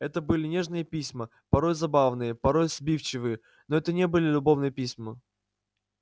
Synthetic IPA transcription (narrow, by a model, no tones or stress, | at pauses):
ɛt̪əbɨlʲɪnʲe̞ʐnɨjəpʲisʲmə | pɐɾo̞jzɐbavnɨjəpɐɾo̞jz̥bʲift͡ɕɪvɨjə | noɛt̪ənʲebɨlʲɪlʲʊbo̞vnɨjəpʲisʲmə